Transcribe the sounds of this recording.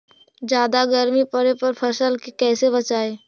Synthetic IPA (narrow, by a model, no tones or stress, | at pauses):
d͡ʒjaːd̪aɡəɾmipəɾepɐɾpʰəʃəlkikɛːsebət͡ʃaːeː